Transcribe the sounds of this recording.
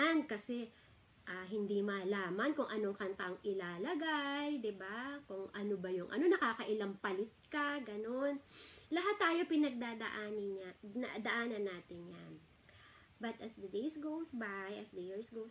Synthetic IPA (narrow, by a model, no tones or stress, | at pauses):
nkɐsɛ | ʔaːɦɪnd̪imɐlaːmɐnkʊŋʔɐnoŋkɐnt̪aŋʔɪlaːlɐɡajd̪ɪbakʊŋʔɐnobɐjʊŋʔɐ̰no̞nɐkaːkɐʔɪlɐmpɐlɪt̪̚kɐɡɐno̞nlɐɦat̪ːaːjo̞pɪnɐɡ̚d̪aːd̪ɐ̰ʔaːnɪnanad̪ɐʔaːnɐnːaːt̪ɪnja̰n | bɐt̪ʔɐsd̪ɐd̪ejsɡowsbajʔɐsd̪ɐjiɹsɡows